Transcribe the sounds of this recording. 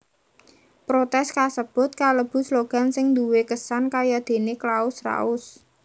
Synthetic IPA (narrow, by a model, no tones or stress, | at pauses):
pɾot̪ɛskasəb̥ʊ̤t̪̚kaləb̥ʊ̤sloɡ̥a̤nsɪŋd̪uwekəsankajad̪̥e̤neklaʊsra̰ʊs